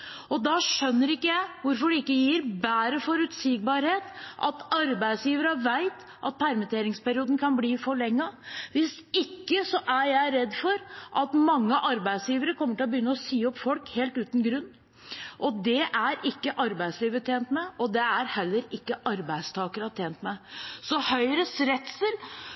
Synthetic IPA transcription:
ɔd̪ɑʂœnːəɾɪkːəjæɪʋʊɾfɔɖɛɪkːəjɪɾbæːɾəfɔɾʉt̪siːɡ̚bɑɾheːt̪ʔɑ̰t̪ɑɾbæɪsjiːʋəɾəʋæɪt̪ | ʔɑt̪̚pʰæɾmət̪ʰeːɾɪŋspʰæɾɪuːd̪n̩kʰɑnbliːfɔɭɛŋːɑʋɪs | ɪkːəsɔʔæɾjæɪɾɛd̪ːfɔɾʔɑt̪mɑŋːəʔɑɾbæɪsjiːʋəɾəkʰɔmːəʈɪlɔbəjʏnːəɔsyːɔpfɔlkheːlt̪ʉːt̪nɡɾʉnː | ʔɔd̪ɛʔæɾɪkːəʔɑɾbæɪsliːʋət̪ʰeːnt̪mɛɔd̪ɛæɾhɛlːəɾɪkːəʔɑɾbæɪd̪st̪ʰɑːkəɾɑt̪ʰeːnt̪mɛsɔhœʏɾəsɾɛt̪səl

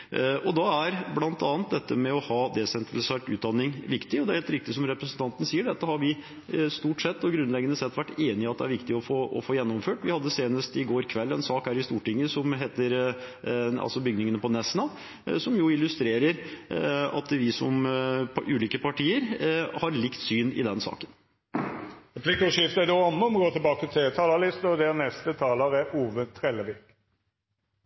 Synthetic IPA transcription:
ɔd̪ɑæɾblɑnt̪ɑːnt̪̚d̪ɛt̪ːəmɛɔhɑːd̪ɛsɛnt̪ɾɑlɪseːʈʉːt̪̚d̪ɑnːɪŋʋɪkt̪ɪɔd̪ɛæɾheːlt̪ɾɪk̚t̪ɪsɔmɾɛpɾəsnt̪ʰɑnt̪ənəsiːəɖɛt̪ːəhɑɾʋɪ | st̪uːʈsɛt̪ːɔɡɾʉnlɛɡənəsɛt̪ːʋæʈːeːnɪɑt̪̚d̪ɛæɾʋɪkt̪ɪɔfoːʔɔ̰foːjɛnːɔmføːʈʋɪhɑd̪ːəseːnəst̪ɪɡoːɾkʰʋɛlːɛnsɑːkhæːɾɪst̪uːʈɪŋːəsɔmɦeːt̪əɾ | ɑ̰lsɔbʏɡnɪŋənəpɔnɛsnɑ | sɔmjʊɪlʉst̪ɾeːɾəɾ | ɑ̰t̪ʋɪsɔ̰m | ʉːliːkəpɑʈʰiːəɾhɑɾlɪkt̪syːnɪ̰d̪ɛnsɑ̰ːkən | ʁɛpʰlɪkɑʂɪft̪ɛd̪ɛɑnːəɔmɡoːt̪ʰɪlbɑːkət̪ʰelt̪ʰɑːləlɪst̪ɔd̪ɛʁnɛst̪ət̪ʰɑːləʁɛʔuːʋət̪ʰɾɛləʋɪːk

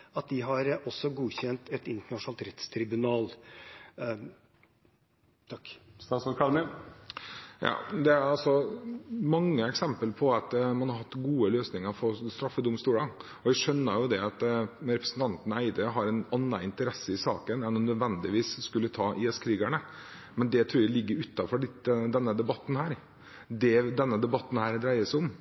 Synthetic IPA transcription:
ɑt̪̚d̪ɪɦɑɾɔsːɔɡuːçɛnt̪ɛt̪ɪnt̪əɳɑʂnɑlt̪ɾɛt̪st̪ʰɾɪbʉnɑːl | t̪ʰɑkːst̪ɑːsɔkʰɑlnə | jɑ̰ːd̪ɛæɾɑlsɔ | mɑŋːəɛksɛmpəlpʰɔɑt̪mɑnhɑɾhɑt̪ːɡuːəløːsnɪŋəɾfɔɾst̪ɾɑfːəd̪ʊmst̪uːɽɑ | ɔæʂœnːəɾjʊd̪ɛɑt̪ɾɛpɾəsn̩t̪ʰɑnt̪n̩æɪd̪əɦɑɾɛnɑnːɑɪnt̪əɾɛsəɪsɑ̰ːkənɛnɔmnœd̪ʋɛnd̪ɪʋiːsskʉlːət̪ʰɑːʔɪɛskʰɾiːɡæɳə | mɛnd̪ɛt̪ʰɾuːɾjælɪɡːəɾʉt̪ːɑfɔɖəd̪ɛnːəd̪ɛbɑt̪ːn̩hæːɾ | d̪ɛd̪ɛnːəd̪ɛbɑt̪ːn̩hæːɾd̪ɾæɪəsɪʊm

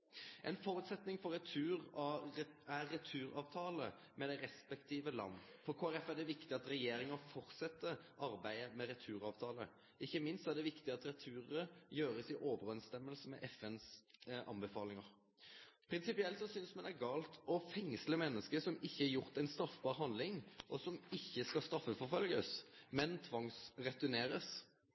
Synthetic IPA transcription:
ʔɛ̰ɪnfɔɾʉːt̪sɛt̪nɪŋfɔɾɛt̪ʰʉːʁ | æːɛt̪ʰʉːɾɑːʋt̪ʰɑːlə | mɛd̪æɪʁɛspɛkt̪ʰiːʋəlɑ̰nːfɔɾkʰoːæɾɛfæd̪ɛʋɪkt̪ɪɑt̪ɾɛjeːɾɪŋəfɔɾt̪sɛt̪ːəʔɑɾbæɪəmɛɾɛt̪ʰʉːɾɑːʋt̪ʰɑːlə | ɪçːəmɪnst̪æʁd̪ɛʋɪkt̪ɪɑt̪ɾɛt̪ʰʉːɾəjøːɾəsɪʔoːʋəɾɛnst̪ɛmːəlsəmɛ̰ʔɛfɛnsʔɑ̰nbəfɑːlɪŋɑɾ | pʰɾɪnsɪpɪɛlt̪sɔsʏnsmɑnæɾɡɑːlt̪ɔfɛŋsləmɛnːəskəsɔmɪçːəɛɾjʊɾt̪ɛɪnst̪ɾɑfbɑːɾɦɑnd̪lɪŋʔɔsɔmɪçːəskɑst̪ɾɑfːəfɔɾfœlɡəsmɛnt̪ʰʋɑŋsʁɛt̪ʉneːɾəs

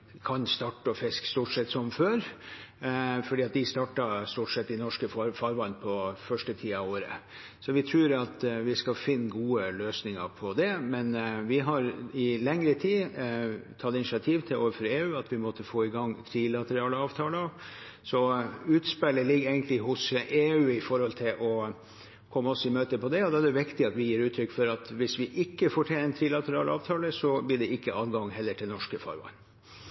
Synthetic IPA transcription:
kʰɑnst̪ɑːʈːəɔfɪskst̪uːʈsɛt̪ːsɔmføːɾ | fɔɖiːɑt̪̚d̪ɪst̪ɑːʈɑst̪uːʈsɛt̪ːɪnɔʂkəffɑɾʋɑnpʰɔfœʂʈət̪ʰiːɑʋoːɾə̰ | sɔʋɪt̪ʰɾʉːɾɑt̪ʋɪskɑlfɪnːɡuːəløːsnɪŋəpʰɔd̪ɛmɛnʋɪɦɑɾɪlɛŋɾət̪ʰiː | t̪ʰɑt̪ːɪnɪsɪɑt̪ʰiːʋt̪ʰɪoːʋəfɔɾeːʉːɑt̪ʋɪmɔt̪ːəfoːɪɡɑŋːt̪ʰɾilɑt̪əɾɑːləɑːʋt̪ʰɑːləɑ | sɔʉːt̪spɛlːəlɪɡːeɪɡənt̪lɪɦʊseːʉːɪfɔɾhɔlt̪ʰɪlʔɔ | kʰɔmːəɔsɔɪmøːt̪əpʰɔd̪ɛɔd̪ɑæɖɛʋɪkt̪ɪɑt̪ʋɪjiːɾʉːt̪ʰːɾʏkːfɔɾɑt̪ʋɪsʋɪʔɪkːəfoːʈʰɛənt̪ʰɾilɑt̪əɾɑːlʔɑ̰ːʋt̪ʰɑːləsɔblɪɖɛɪkːəɑlɡɑŋɦɛlːəʈʰɪlnɔʂkəfɑ̰ɾʋɑ̰n

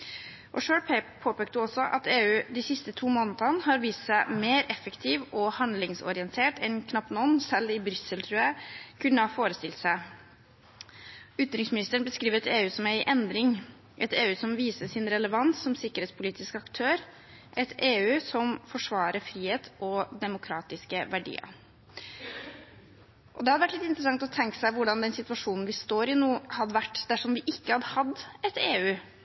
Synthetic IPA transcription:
ʔɔʂøːɖpʰepʰoːpeːk̚t̪əɔsɔʔɑ̰t̪eːʉːd̪æsɪst̪ət̪ʰuːmɔːnt̪ənhɑɾʋiːst̪sæɪmeːɾɛfəkt̪ʰiːʋɔhɑnd̪lɪŋsɔ̰ɾɪənt̪ʰeːʈɛnkʰnɑpt̪nɔnːsɛlɪbɾʏsəlt̪ʰɾʉːækʰʉnːəhɑːfoːɾəst̪ɪlt̪sæɪ | ʏt̪ɾɪŋsmɪnɪst̪əɳbəskɾiːʋəɾɛt̪eːʉːsɔmæɪʔɛnd̪ɾɪŋ | ʔɛt̪eːʉːsɔmʋiːsəsɪnɾɛləʋɑnsːɔmsɪkːəɾheːt̪spʰʊliːt̪ɪskɑkt̪ʰøːɾ | ʔɛt̪ʰeːʉːsɔmfɔʂʋɑːɾəɾfɾiːheːt̪ʰʔɔd̪ɛmʊkʰɾɑːt̪ɪskəʋæɖḭːə̰ | ʔɔd̪ɛhɑd̪əʋæʈlɪt̪ɪnt̪ɾəsɑŋkt̪ɔt̪ʰɛŋkə̥sæɪʋʊɖɑnd̪ɛnsɪt̪ʉɑʂuːnn̩ʋɪst̪oːɾɪnuːhɑd̪əʋæʈːd̪̥æʂɔmʋɪʔɪkːəhɑd̪əhɑd̪ɛt̪eːʉː

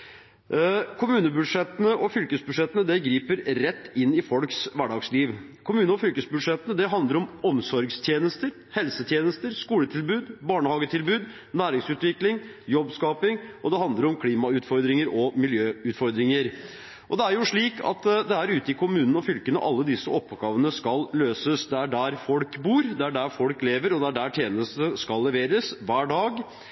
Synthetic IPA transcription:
kʰʊmʉːnəbʉd̪ʂɛt̪ːənəʔɔfʏlkəsbʉd̪ʂɛt̪ːənəd̪ɛɡɾiːpəɾɾɛt̪ːɪnːɪfɔlksʋæɖɑɡsliːʋ | kʰʊmʉːnəɔfʏlkəsbʉʂɛt̪ːənəd̪ɛɦɑnd̪əɾɔmɔmsɔɾɡst̪ʰjeːnəst̪əɾ | hɛlsət̪ʰjeːnəst̪əɾskuːlət̪ʰɪlbʉːd̪bɑːɳəhɑːɡət̪ʰɪlbʉːd̪ | næːɾɪŋsʉːt̪ʋɪklɪŋjɔbskɑːpɪŋʔɔd̪ɛhɑnd̪ləɾɔmkʰliːmɑʉːt̪fɔɾd̪ɾɪŋəɾɔmɪljøːʉːt̪fɔɾd̪ɾɪŋəɾ | ʔɔd̪ɛæɾjʊʂɭiːkʰɑ̰t̪d̪ɛæɾʉːt̪əɪkʰʊmʉːnən̩ɔfʏlkənə̰ʔɑlːəd̪ɪsːəɔpːɡɑːʋənəskɑlløːsəsd̪ɛæɖæɾfɔlkbuːɾd̪ɛæɖæɾfɔlkleːʋəɾɔd̪ɛæɖæʈʰjeːnəst̪əskɑlːɛʋeːɾəsʋæːɖɑːɡ

